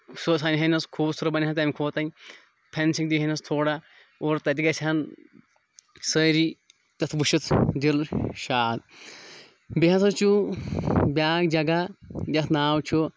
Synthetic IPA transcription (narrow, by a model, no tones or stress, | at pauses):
sosaːniɦɐnɐskʰuːbsuɾɐbɐnʲɦant̪ɐmʲkʰoːt̪ɐnʲ | pʰensiŋd̪iɦɐnɐst̪ʰoːɽa | oɾt̪ɐt̪iɡɐt͡ʃʰɐn | səɾi | t̪ɐt̪ʰbuʃit̪ʰd̪ilʃaːd̪̚ | biɦɐt̪ʰɐt͡ʃu | bʲaːkd͡ʒɐɡajɐt̪ʰnaːwt͡ʃʰo